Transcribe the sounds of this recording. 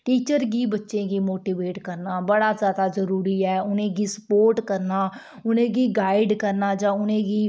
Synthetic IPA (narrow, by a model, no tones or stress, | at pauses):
ʈiːt͡ʃəɾɡiːbətːʃẽːɡiːmoːʈiːʋeːʈkəɾnaːbəɽaːzjaːd̪aːzəɾuːɾiːɛːʊnẽːɡiːsəpoːɾʈkəɾnaː | ʊnẽːɡiːɡaːɪɖkəɾnaːd͡ʒãːʊnẽːɡiː